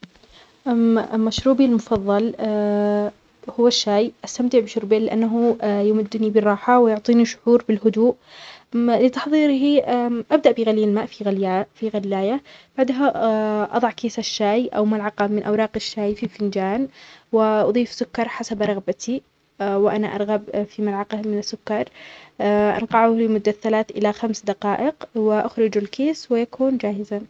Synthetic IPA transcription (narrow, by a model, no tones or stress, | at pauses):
ʔaʔlmaʃɾuːbilmʊfɑðˤːɑl | hʊwːaʃːaːjʔast̪amt̪ɪʕbɪʃʊɾbeːlɪʔa̰nːaɦʊjʊmʊd̪ːnibɪrˤːɑːħawɪjʊʕt̪ˤiːniʃʊ̥ʕuːɾbɪlɦʊd̪uːʔ | lɪt̪ɑħðˤiːɾɦiʔʔabd̪aʔbɪɣaliːalmaːʔfifiɣalːaːjabaʕd̪ɦaʔɑ̰ðˤɑʕkeːsaʃːaːjʔa̰wmalʕɑqɑmɪnʔa̰wɾˤɑːqɪʃːaːjfifɪnd͡ʒaːnwɪʔɑðˤiːfsʊkːɑɾˤħasabɾˤɑɣbat̪ʰi | wɪʔanaʔɑɾˤɣabfimalʕɑqɑmɪnɪsːʊkːɑɾˤ | ʔa̰nqɑʕulɪmʊd̪ːaθalaːt̪ʔɪ̰laxamsd̪ɑqɑːʔɪqwɪʔaxɾɪd͡ʒalkeːswɪjakuːnd͡ʒaːhɪza